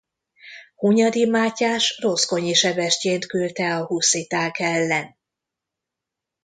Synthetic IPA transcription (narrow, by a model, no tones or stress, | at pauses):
huɲɒd̪imaːcaːʃro̞sko̞ɲiʃɛbɛʃceːnt̪kylt̪ɛɒhusit̪aːkɛlːɛn